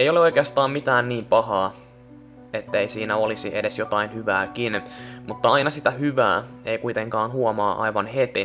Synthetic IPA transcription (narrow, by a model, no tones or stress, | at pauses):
ejo̞leo̞jkeɑst̪ɑːmmit̪æːnniːmpɑɦɑː | e̞t̪ːeisiːnæo̞lisiʔe̞de̞sjo̞t̪ɑinhyʋæːkinmut̪ːɑɑjnɑsit̪æhyʋæ̰ːe̞ikujt̪e̞ŋkɑːnhuomɑːʔɑ̰jʋɑnhet̪i